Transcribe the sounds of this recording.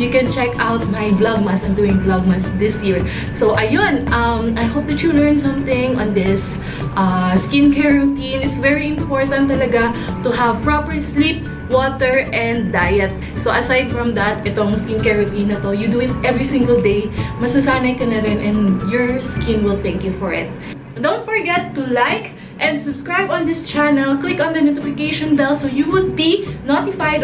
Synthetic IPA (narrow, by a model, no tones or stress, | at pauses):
jukɛ̃nt͡ʃɛkawt̪̚majblɐɡ̚mɐsɐ̃md̪uːɪ̃ŋblɐɡ̚mɐsd̪ɪsjiɹ | sowʔɐjonʔɐmajhop̚t̪ut̪ɹulɛɹnsɐ̃mθɪ̃ŋɔ̃nd̪ɪs | ʔaskɪ̃nkɛɹot̪inɪsvɛɹiɪ̃mpoɹt̪ɐ̃nt̪ːɐlɐɡat̪ʊɦɐvpɹapɛɹslip̚ | wot̪ɛɹʔɛ̃nd̪ːajɛt̪̚ | soʔɐsajd̪̚fɹɐmd̪ɐt̪ʔɛt̪oɐŋskɪnkɛɹot̪inɐt̪ojud̪uɪt̪̚ʔɛvɹisɪ̃ŋɡɐld̪ejmɐsɐsaːnɐjkɐnɐɾɪnʔɛ̃nd̪jɔɹskɪ̃nwɪlt̪ɛ̃ŋkjufɔɹɪ̰t̪̚ | d̪õw̃nt̪̚fɔɹɡɛt̪ːʊlajk | ʔɛ̃nd̪sʊbskɹajbɔ̃nd̪ɪst͡ʃanɛlklɪkɔ̃nd̪ɐnot̪ɪfɪkejʃɔ̃nbɛlsojuwʊd̪̚binot̪ɪfajd̪